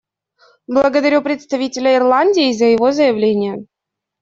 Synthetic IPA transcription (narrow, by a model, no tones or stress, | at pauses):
blˠəɡəd̪ɐɾʲupɾʲɪt̪st̪ɐvʲitʲɪlʲəɪrlˠanʲdʲɪːzəjɪvozəjɪvlʲenʲɪjə